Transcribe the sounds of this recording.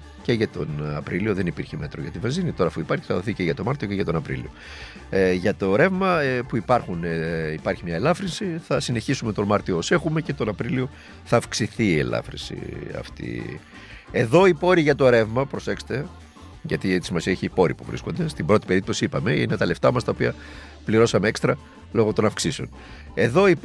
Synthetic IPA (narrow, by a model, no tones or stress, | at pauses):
ce̞ʝɐt̪o̞̰nɐpɾilio̞ðe̞nipiɾçe̞me̞t̪ɾoʝɐt̪ivɐzinit̪o̞ɾɐːfuipɐɾçi̥θɐðoθiceʝɐt̪o̞mɐɾt̪ioceʝɐt̪o̞nɐpɾḭlḭo̞̰ | ʝɐt̪o̞ɾe̞vmɐpuipɐɾxunipɐɾçimɲɐelɐfɾinsiθɐsine̞çisumet̪o̞mɐɾt̪ioose̞xume̞ce̞t̪o̞nɐpɾilio | θɐːfksiθiːḛlɐ̰fɾḭnsḭɐ̰ft̪ḭ | e̞ðo̞ipo̞ɾiʝɐt̪o̞ɾe̞vmɐpɾose̞kse̥t̪e | ʝɐ̰t̪it̪isimɐsiɐeçiːpo̞ɾḭpṵvɾḭskond̪e̞st̪ibɾo̞t̪i̥pe̞ɾip̚t̪o̞siipɐme̞ḭne̞t̪ɐle̞ft̪ɐmɐst̪ɐo̞piɐ | pliɾo̞sɐme̞ekst̪ɾɐ | lo̞ɣot̪o̞nɐfksiseo̞n | e̞ðo̞i